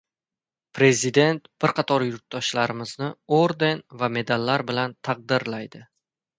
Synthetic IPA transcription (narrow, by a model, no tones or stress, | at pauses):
pʰɾe̞zid̪e̞nt̪b̥ɪɾqʰɑt̪ʰɒɾjʊɾt̪̚d̪ɒʃlaɾɪmɪznɪoɾd̪e̞nvame̞d̪alːaɾbɪlant̪ʰɑq̚d̪ɪɾlajd̪ɪ